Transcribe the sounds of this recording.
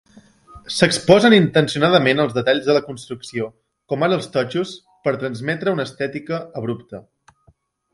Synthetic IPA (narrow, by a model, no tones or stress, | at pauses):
səkspɔzənint̪ənsiunað̞əmenəlˠzðət̪aʎzðələkunst̪ɾuksio | kɔmanəlˠst̪ɔt͡ʃus | pəɾt̪ɾənzmɛt̪ɾəunəːst̪ɛt̪ikəəβɾupt̪ə